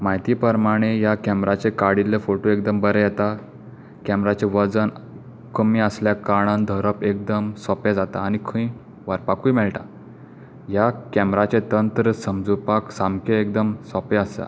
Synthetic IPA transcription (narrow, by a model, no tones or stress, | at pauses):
majt̪iːpəɾmaɽ̃ejakɛmɾat͡ɕekaɽilːefoʈoek̚d̪əmbəɾejɛt̪a | kɛmɾat͡ɕeʋəd͡zən | kəmiəsljakaɽ̃and̪ʱəɾəpek̚d̪əmsɔped͡zat̪a̰ːñikʰə̃ĩ | ʋəɾpakʰujmɛɭʈa | jakɛmɾat͡ɕẽt̪ənt̪ɾəsəmd͡zupaksamkeekd̪əmsɔpeəst̪a̰